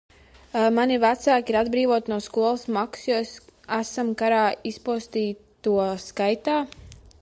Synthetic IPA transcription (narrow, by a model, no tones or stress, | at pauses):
manivæt̪saːkiɾad̪bɾiːvuɔt̪nuɔskuɔlˠɨsmaksjuesæsamkaɾaːispuɔst̪iːt̪uɔskajt̪aː